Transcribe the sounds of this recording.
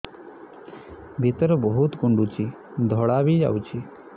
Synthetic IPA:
bʱit̪ɾbəɦut̪kuɳɖut͡ɕiː | d̪ʱɔɽaʋiːd͡ʑa̰wt͡ɕiː

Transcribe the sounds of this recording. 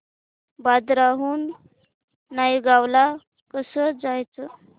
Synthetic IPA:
bad̪ɾaɦuːnː | aiɡawla | kəsəd͡zajt͡sə

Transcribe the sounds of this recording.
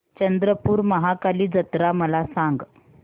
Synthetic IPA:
t͡ɕənd̪ɾəpuːɾməɦakaliːd͡zət̪ɾaməlasãŋɡ

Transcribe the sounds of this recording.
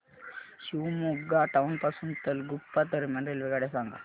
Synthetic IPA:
ɕumoɡaʈaunpasunt̪əlɡupːat̪əɾmaɳɾelʋeɡaɽesaŋɡa̰

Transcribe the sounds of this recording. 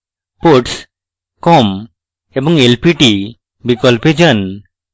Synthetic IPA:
poɾʈs | kɔm | ebɔŋelpiʈi | bikɔlped͡ʑan

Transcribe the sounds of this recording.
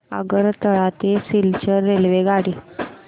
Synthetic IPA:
ə̰ɡəɾt̪əɭat̪esilt͡ɕəɾːelʋeɡaɽi

